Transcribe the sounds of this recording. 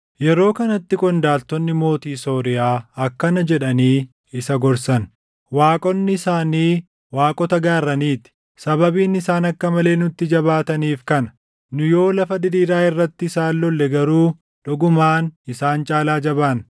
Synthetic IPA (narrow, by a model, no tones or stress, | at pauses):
jɛɾo̞ːkɐnɐt̪ːɪkʼɔnd̪aːlt̪ɔnːɪmo̞ːt̪iːso̞ːɾɪjaːɐkːɐnɐd͡ʒɛᶑɐniː | ɪsɐɡɔɾsɐn | waːkʼɔnːɪɪsaːniː | waːkʼɔt̪ɐɡaːɾːɐniːt̪ɪ̥ | sɐbɐbiːnɪsaːnɐkːɐmɐle̞ːnʊt̪ːɪd͡ʒɐβaːt̪ɐniːfkɐnɐ | nʊjo̞ːlɐfɐd̪ɪɾiːɾaːɪrːɐt̪ːɪsaːlːɔlːɛɡɐɾuː | ᶑɔɡʊmaːnɪsaːnt͡ʃʼaːlaːd͡ʒɐbaːn